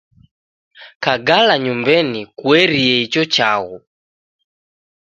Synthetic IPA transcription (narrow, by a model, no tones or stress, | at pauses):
kaɡalaɲumbɛnikwɛɾiɛit͡ʃɔt͡ʃaɣu